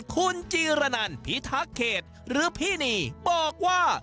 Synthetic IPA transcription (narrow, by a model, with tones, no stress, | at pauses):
kʰu˧nt͡ɕiː˧ɾa˧na˧npʰi˦˥t̪ʰa˦˥kʰːeː˨˩t̪̚ɾɯː˦˥pʰiː˥˩niː˧bɔː˨˩k̚waː˥˩